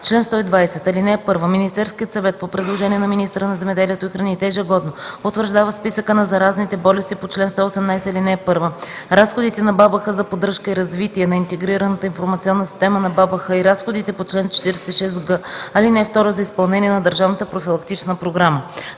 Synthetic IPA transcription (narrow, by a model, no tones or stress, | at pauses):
t͡ʃlɛnst̪ɔid̪vajsɛt̪ɐlinɛpɤɾvəminist̪ɛɾskʲijət̪sɐvɛt̪̚popɾɛd̪lˠoʒɛniɛnɐminist̪əɾənɐzɛmɛd̪ɛliɛt̪oixɾɐnit̪ɛːʒɛɡɔd̪nopot̪vəɾʒd̪avəspisəkənɐzɐɾaznit̪ɛbɔlɛst̪ipot͡ʃlɛnst̪ɔosɛmnajsɛilinɛpɤɾvəɾasxod̪it̪ɛnɐbabəxəzɐpod̪ɾɤʃkəiɾɐzvit̪iɛnɐint̪ɛɡɾiɾənət̪əinfoɾmɐt̪sʲiɔnːəsi̥st̪ɛmənɐbabəxəiɾasxod̪it̪ɛpot͡ʃlɛnt͡ʃɛ̥t̪iɾɛsɛ̥t̪iʃɛst̪ɡɤɐlinɛft̪ɔɾəzɐispɐlˠnɛniɛnɐd̪əɾʒavnət̪əpɾofilˠɐkt̪it͡ʃnəpɾoɡɾamə